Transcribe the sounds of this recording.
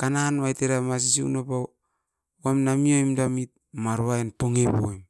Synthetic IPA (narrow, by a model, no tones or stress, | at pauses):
kananwajteɾamas̬is̬iṵnopa | uamnamiomdamit̚maɾoaenpoŋepoojm